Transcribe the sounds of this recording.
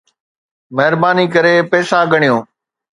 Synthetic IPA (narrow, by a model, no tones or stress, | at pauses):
məɦɾbaːniːkəɾeːpɛːsaːɡəɳ̃ɪjõː